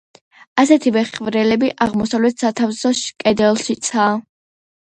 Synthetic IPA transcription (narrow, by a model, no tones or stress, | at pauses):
asɛt̪ʰivɛχvɾɛlɛbiʔaʁmɔsavlɛt̪ʰsat̪ʰavsɔʃkʼɛd̪ɛlˠʃit̪sʰaː